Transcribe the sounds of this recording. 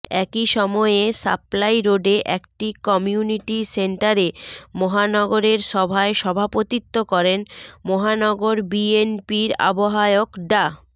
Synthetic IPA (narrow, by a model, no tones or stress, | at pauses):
ɛkiʃɔmɔeesa̰plajɾoɖeʔɛkʈikɔmiuniʈiseɳʈaɾemɔɦanɔɡoɾeɾʃɔbʱaeʃɔbʱapot̪it̪ːokɔɾenmɔɦanɔɡoɾbienpiɾa̰boɦaeokɖa